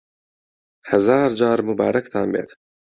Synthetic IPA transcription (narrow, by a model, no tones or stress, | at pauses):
hɐzɑːɾd͡ʒɑːɾmʊbɑ̰ːɾɐkt̪ʰaːnbḛːt̪